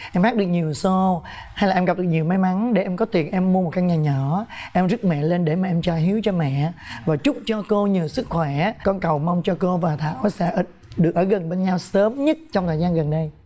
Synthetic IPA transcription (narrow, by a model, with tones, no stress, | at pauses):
ʔɛ˧mxa˦˥ɗɨ˨˩ək̚ɲi˨˩əwso˧ | ha˧jlaː˨˩ʔɛ˧mɣa˨p̚ɗɨ˨˩k̚ɲi˨˩əwma˨˦jma˨˦nɗe˧˩ʔɛ˧mkɔ˨˦t̪i˨˩ənʔɛ˧mːu˧əmo˨˩t̚ka˧˥k̚ɲaː˨˩ɲɔ˧˩˦ʔɛ˧mzə˦˥t̚mɛ̰˧˨le˧nɗe˧˩maː˨˩ʔɛ˧mt͡ɕaː˧˩ɦi˨˦wt͡ɕɔ˧mɛ̰˧˨vaː˨˩t͡ɕʊ˦˥k͡p̚t͡ɕɔ˧ko˧ɲɨ˨˩əwsɨ˦˥k̚xwɛ˧˩kɔ˧nkə˨˩wma˧wŋ͡mt͡ɕɔ˧ko˧vaː˨˩t̪ʰa̰ː˧˥˨wsɛ̰˧˥ʔ | ɗɨ˨˩ək̚ʔəː˧˩ɣə˨˩nɓe˧nɲa˧wsəː˨˦mɲə˦˥t̚t͡ɕɔ˧wŋ͡mt̪ʰəː˨˩zaː˧nɣə˨˩nɗə˧j